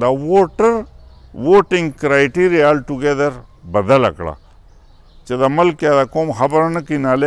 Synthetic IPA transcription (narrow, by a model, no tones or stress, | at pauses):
d̪ɐwoːʈɐɾʋoːʈĩŋɡkɾaːjʈiːɾialʈuɡed̪ɐɾbɐd̪ɐlɐ̰kɭa̰ | t͡ʃed̪ɐmɐlkjad̪akoːmɦɐbɐɾnɐkinaːle